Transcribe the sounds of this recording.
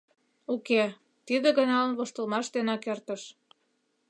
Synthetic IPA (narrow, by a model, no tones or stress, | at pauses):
uke | t̪id̪ĕɣə̆nɑlənβoʃt̪ə̆lmɑʃt̪enɑkert̪ə̆ʃ